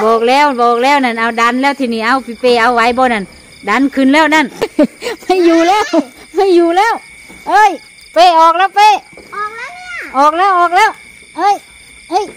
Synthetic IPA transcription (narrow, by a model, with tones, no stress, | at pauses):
bɔː˨˩k̚lɛː˧˥˩wbɔː˨˩k̚lɛː˧˥˩wna˧˩nʔa˧˩wda˧˥˨nlɛː˧˩wt̪ʰiː˧˩niː˧˩ʔa˧˩wpi˧˩peː˧˩ʔa˧˥˨wwa˧˥jbɔː˧˨na˧˩n | da˧˥˨nkʰɯ˧˩˨nlɛː˧˥˨wna˧˥˨nma˧˥˩jjuː˨˩lɛː˧˥˩w | ma˧˥˨juː˨˧˩lɛː˥˩˨w | ʔɤː˧˥˨j | peː˧˩ʔɔː˨˩k̚lɛː˧˥˩wpeː˧˥˩k̚a˧˥˧ʔɔː˨˩k̚lɛː˧˥˨wʔɔː˨˩k̚lɛː˧˥˩w | ʔɤː˧˥˨j | hɤː˧˥˨j